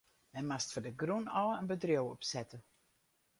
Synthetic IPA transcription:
mɛnmastfɔdəɡrunɔləənbədrjowɔpsɛtə

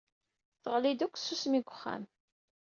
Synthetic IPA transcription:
θəʁlid̪ukʷːsusmiɡʷəχːa̰m

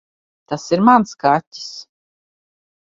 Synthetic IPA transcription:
t̪asiɾmanskatʲːi̥s

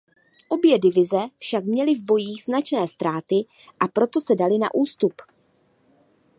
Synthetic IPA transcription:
ʔo̞bjɛdɪvɪzɛfʃakmɲɛlɪvbo̞jiːɣznat͡ʃnɛːst̪ɾaːt̪ɪ | ʔapɾo̞t̪o̞sɛdalɪna̰ʔuːst̪up

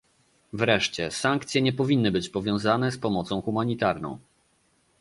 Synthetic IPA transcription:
vɾɛʂt͡ɕɛsaŋkt̪sʲjɛɲɛpɔvʲinːɘbɘt͡ɕpɔvʲjɔ̃w̃zanɛspɔmɔt̪sɔ̃w̃xumaɲit̪aɾnɔ̰̃w̃

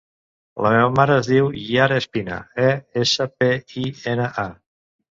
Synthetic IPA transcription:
ləmeβəmaɾəːzðiwjaɾespinə̰ɛesəpeienəʔa

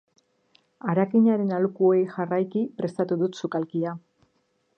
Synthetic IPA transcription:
aɾakiɲaɾe̞nalukuo̞jʝarajkipɾe̞st̪at̪uðut̪sukalkia

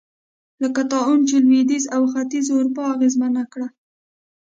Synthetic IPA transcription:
ləkat̪ɑunt͡ʃelwid̪izawxat̪izʊɾupɑaɣezmanakɽa

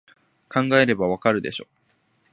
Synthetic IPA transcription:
kʰãŋɡae̞ɾe̞baβ̞akaɾɯ̟d̪e̞ɕoː

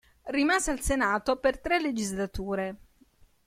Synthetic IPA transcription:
rimaːzealsenaːt̪opert̪ɾelːed͡ʒizlat̪uːɾe

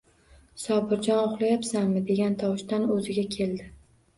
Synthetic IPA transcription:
sɒbɪɾd͡ʒɒnoχlˠajapsanmɪd̪e̞ɡʲant̪ʰɒwʃt̪anɵzɪɡʲakʲʰe̞ld̪ɪ

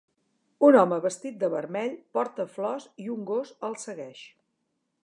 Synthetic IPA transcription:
unɔməβəst̪it̪̚d̪əβəɾmɛʎpɔɾt̪əflɔsiuŋɡosəlˠsəɣɛʃ

